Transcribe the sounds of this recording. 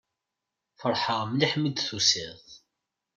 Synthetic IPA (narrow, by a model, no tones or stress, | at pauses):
fəɾˤħəʁmliħmid̪θusiðˤ